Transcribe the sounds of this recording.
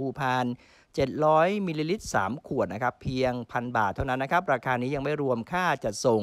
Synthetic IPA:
uː˧pʰaː˧n | t͡ɕe˨˩t̪̚ɾɔː˦˥jmi˧liː˧li˦˥t̪̚sa̰ː˩˦mkʰu˨˩ət̪na˦˥kʰa˦˥pʰːi˧əŋpʰa˧nbaː˨˩t̪ʰːa˥˩wna˦˥nːa˦˥kʰa˦˥p̚ɾaː˧kʰaː˧niː˦˥ja˧ŋma˥˩jɾu˧əmkʰaː˥˩t͡ɕa˨˩t̪̚so˨˩

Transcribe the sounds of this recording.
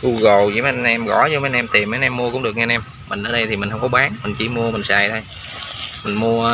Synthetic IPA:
ʔu˧ɣə˨˩wzḭ˧˨˦m˧nɛ˧mɣɔ̰˧˩˦zɔ˧˦maː˨˦nʔɛ˧mt̪i˨˩ma˨˦nʔɛ˧mːu˧əkʊ̰˧˥ŋ͡mɗɨ˨˩ək̚ŋɛ˧nɛ˧m | mï˨˩ŋ̟ʔəː˨˦ɗə˧jt̪ʰi˨˩mï̟˨˩ɦə˧wŋ͡mkɔ˨˦ɓaː˨˦ŋmï˨˩ŋ̟t͡ɕḭ˧˥mu˧əmï˨˩ŋ̟saː˨˩jt̪ʰo˧j | mï˨˩ŋ̟mu˧ə

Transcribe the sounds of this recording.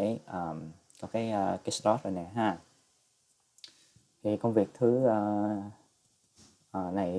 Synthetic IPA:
e˧˨˩ʔəː˨˩m | kɔ˨˦kaː˨˦jʔəː˧˩ki˨˦slɔ˦˥t̚zo˨˩nɛ̰˨˩ɦaː˧ | t̪ʰi˨˩kə˧wŋ͡mvi˨˩ək̚t̪ʰɨ˨˦ʔəː˧˩ | ʔəː˨˩na˨˩j

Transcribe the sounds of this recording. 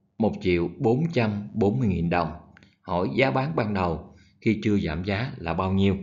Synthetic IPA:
mo˨˩t̚t͡ɕḭ˧˨əwɓo˨˦nt͡ɕa˧mɓo˨˦nmɨ˧jŋi˨˩nɗə˨˩wŋ͡m | hɔ̰˧˩jzaː˨˦ɓaː˨˦nɓaː˧nɗə˨˩w | xi˧t͡ɕɨ˧əza̰ː˧˩mzaː˨˦laː˨˩ɓaː˧wɲi˧əw

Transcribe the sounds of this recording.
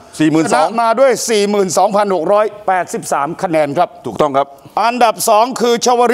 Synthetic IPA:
siː˨˩mɯː˨˩na˦˥˩maː˧du˥˩əjsiː˨˩mɯː˨˩nsɔː˩˦ŋpʰa˧nho˨˩k̚ɾɔː˦˥jpɛː˨˩t̪̚si˨˩p̚saː˩˦mkʰa˧nɛː˧nkʰɾa˦˥p̚t̪ʰuː˨˩k̚t̪ɔ˥˩ŋkʰa˦˥p̚ | ʔa˧nda˨˩p̚sɔː˩˦ŋkʰɯː˧t͡ɕʰa˧wa˧ɾi˦˥

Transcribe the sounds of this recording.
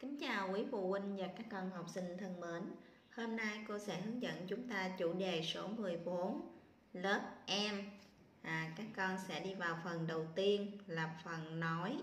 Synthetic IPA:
kï˨˦ŋ̟t͡ɕaː˨˩wki˨˦fṵ˧˨wï˧ŋ̟vaː˨˩kaː˦˥kːɔ˧nhə˨˩wk͡p̚sï˧ŋ̟t̪ʰə˧ŋmə˨˦n | hoː˧mna˧jko˧sɛ̰˧˥hɨ˨˦əŋzə̰˧˨nt͡ɕʊ˨˦ŋ͡mt̪aː˧t͡ɕṵ˧˩ɗe˨˩so˨˦mɨ˨˩əjɓo˨˦n | ləː˦˥t̚ʔɛ˧mː˨˩ | kaː˦˥kːɔ˧nsɛ̰˧˥ɗi˧vaː˨˩wfə˨˩nɗə˨˩wt̪i˧ənlaː˨˩p̚fə˨˩nnɔ˨˦j

